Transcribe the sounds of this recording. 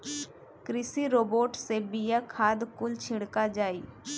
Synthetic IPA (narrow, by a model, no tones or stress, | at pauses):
kɾɪsiɾoːboːʈsebijakʰaːd̪kʊlt͡ʃʰɪɽkad͡ʒaːiː